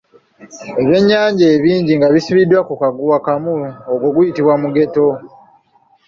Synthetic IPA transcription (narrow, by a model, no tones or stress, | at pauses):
e̞βje̞ɲːaːɲɟeːβiːɲɟiŋɡaβisiβidːwakukaɡuwakamuoɡwo̞ɡujitiβwamuɡe̞to̞